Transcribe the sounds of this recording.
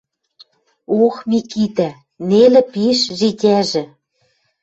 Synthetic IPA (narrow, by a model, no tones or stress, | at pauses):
oxmikit̪æ | nelɘ̆piʃʒitʲæʒɘ̆